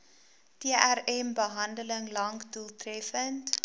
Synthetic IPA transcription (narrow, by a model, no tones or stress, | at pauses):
teəʔærɛmbəɦɐndələŋlɐŋkdulˠtrɛfənt